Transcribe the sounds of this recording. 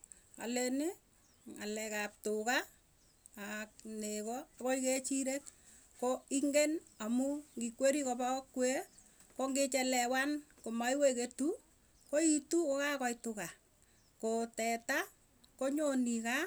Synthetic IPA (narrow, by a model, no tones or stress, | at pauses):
a̰lɛnɪ | ŋalɛkap̚tʊka | ak̚nekɔakɔiket͡ʃiɾek | koiŋɡenamuŋɡikweɾikɔpaɔkwe | koŋɡet͡ʃɛlɛwankomaiweketu | koitukokakɔitʊka | kotɛta | koɲonika